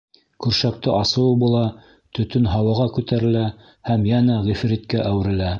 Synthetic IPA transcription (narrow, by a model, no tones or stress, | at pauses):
kʉɾʃæk̚t̪ɘʔɑsɤ̆wbulˠɑ | t̪ɵ̆t̪ɵnɦɑwɑʁɑkʉt̪æɾɘ̆læ | hæmjænæʁifɾit̪̚kæʔæwɘ̆ɾɘ̆læ